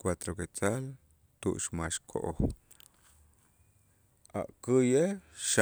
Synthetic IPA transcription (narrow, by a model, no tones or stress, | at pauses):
kwat̪ɾoket͡sal | t̪ṵʔʃmaʃkʰo̰ʔo | a̰ʔkɨjeʃ